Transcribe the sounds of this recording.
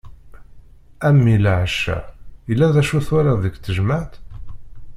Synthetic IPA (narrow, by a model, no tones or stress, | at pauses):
æmːilʕəʃæ̰jəlːæðæʃuθaɾaðəɡθəʒməʕt̪